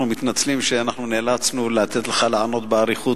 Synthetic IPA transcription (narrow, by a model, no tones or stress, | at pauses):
numit̪nat͡slimʃeanaχnunelat͡snulat̪e̞t̪leχalaʕano̞t̪beaʁiχu